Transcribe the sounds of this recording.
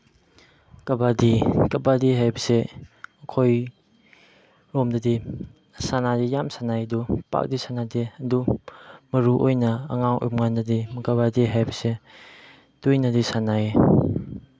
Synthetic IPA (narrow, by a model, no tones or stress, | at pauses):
kɐbadikɐbadiɦajbɐseɐkʰoj | ɾɔmdɐdi | sanadijamsanajdupa̰k̚disanadiɐdumɐɾuʔojnɐɐŋaŋʔṵpŋandɐdimɐkabadiɦajbɐse | d̥ujnɐdisanae